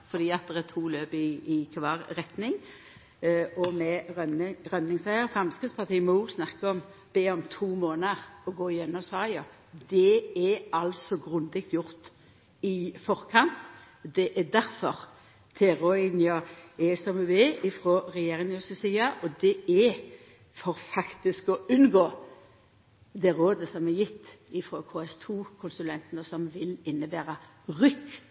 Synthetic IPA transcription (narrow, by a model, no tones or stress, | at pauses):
fɔd̪iːɑt̪̚d̪ɛʁɛt̪ʰuːløːbɪːkʰʋɑːɾɾɛt̪nɪŋ | ɔmɛɾnɾœnnɪŋsæɪəɾfɾɑmskɾɪt̪spʰɑt̪iːəmɔuːɡsnɑkːəɔm | b̥eːɔmt̪ʰuːmoːnəɾɔɡoːɪjɛnːɔsɑːɪɑ | d̪ɛɛɑlsɔɡɾʉnd̪ɪk̚t̪jʊɾt̪ | ɪfɔɾkʰɑnt̪ | d̪ɛʔɛd̪æɾfɔʁ | t̪ʰɛɾɔɪnjɑɛsɔmʉʋeɪfɾoːɾɛjeːʁɪŋjʉsɛsiːɑʔɔd̪ɛɛ | fɔɾfɑkt̪ɪskɔʉnɡoː | d̪ɛɾoːd̪əsɔmɛjɪt̪ː | ɪfɾoːkʰoːɛst̪ʰuːkʰʊnsʉlɛnt̪nəsɔmʋɪlɪnːəbæːɾɑʁʏkː